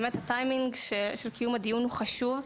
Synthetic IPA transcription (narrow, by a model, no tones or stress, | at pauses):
methatajmiŋɡʃeʃelkijumad̪ijunhuχaʃuv